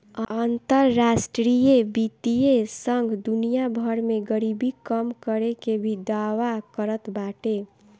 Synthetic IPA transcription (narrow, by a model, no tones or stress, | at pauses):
ənt̪əɾːasʈɾijebit̪ijesəŋɡʱd̪unijabʱəɾmeɡəɾibikəmkəɾekebʱid̪awakəɾət̪baʈe